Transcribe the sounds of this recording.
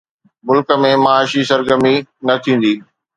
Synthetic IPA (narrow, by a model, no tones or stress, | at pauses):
mʊlkə̆mẽmaaːʃisɐɾɡəminɐt̪ʰĩːn̆d̪iː